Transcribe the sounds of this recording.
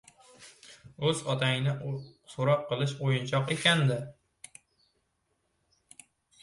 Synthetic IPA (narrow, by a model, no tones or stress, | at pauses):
ɵzɒt̪ʰajɪnɪsoɾɒqʰːɨlˠɪʃojʊnt͡ʃʰɒqekʲand̪ɪ